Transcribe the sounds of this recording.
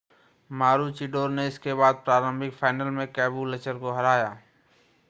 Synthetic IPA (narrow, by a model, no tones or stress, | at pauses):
maːɾut͡ʃiɖoːɾneɪskeβaːd̪̚pɾaːɾəmbʱɪkfʰaːɪnəlmẽkɛːbulɐt͡ʃəɾkoɦɐɾaːjaː